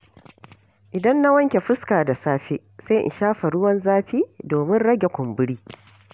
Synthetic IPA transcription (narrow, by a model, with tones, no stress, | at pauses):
ʔɪ˨dɐ˦nːa˦wɐ˦ŋkʲe˨ɸɪ˦skaː˨da˨saː˦ɸe˦sa˦ʔɪ̰˨ʃaː˦ɸa˨ɽʊ˦wɐ˦nzaː˦ɸiː˦doː˨mɪ˦nɽɐ˦ɡʲe˨kʷʊ˨mbɪ˦ɽiː˦